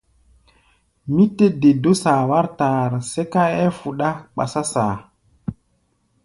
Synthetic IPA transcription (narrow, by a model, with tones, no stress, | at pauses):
mi˦te˦de˨do˦saː˨wa˦ɾtaː˨ɾse˦ka˦ɛ˦fu˨ɗa˦ɓa̰˨sa˦saː˨